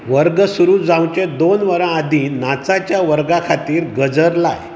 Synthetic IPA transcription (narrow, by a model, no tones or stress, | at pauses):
ʋəɾɡəsuɾuːd͡zãw̃t͡ɕed̪onʋəɾə̃ad̪ʱiːnat͡sat͡ɕjaʋəɾɡakʰat̪iːɾɡəd͡zəɾla̰j